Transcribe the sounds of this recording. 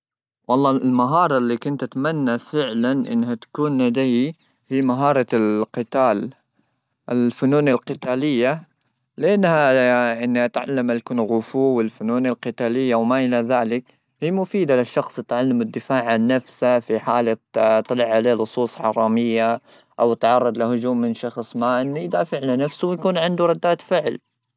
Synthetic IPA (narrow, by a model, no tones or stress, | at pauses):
wɑlˤːɑːɪlmaɦɑːɾˤɑlːikʊnt̪ʔat̪manːafɪʕlanʔɪ̰nːhat̪ḁkuːnlad̪aj | hiːmaɦɑːɾˤɑqɨt̪aːl | ʔɪlfʊnuːnalqɪt̪aːlɪjːa | lɪʔanːhaʔɪnːat̪ʕa̰lːamʔalkʊnɣʊfuːwɪlfʊnuːnalqɪt̪aːlɪjːawmaʔɪlaðaːlɪk | hiːmʊfiːd̪alɪʃːɑxsˤɪt̪ʕalːamɪd̪ːɪfaːʕʕanːafsafiħaːlat̪ˤːɑlɪʕʕaleːlʊsˤuːsˤħɑ̰ɾˤɑːmɪjːa | ʔawt̪ʕɑrˤːɑd̪ˤlɪhʊd͡ʒuːmːɪnʃɑxsˤmaʔɪnːjd̪aːfɪʕlanafsʊwjakuːnʕɪnd̪uɾˤɑd̪ːaːt̪fɪʕl